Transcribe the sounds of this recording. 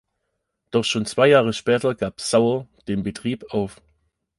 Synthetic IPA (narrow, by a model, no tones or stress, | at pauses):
d̥ɔχʃoːnt͡sv̥aɪjaːʁəʃpɛːtɐɡ̥aːpsaʊɐd̥eːnbətʁ̥iːpaʊf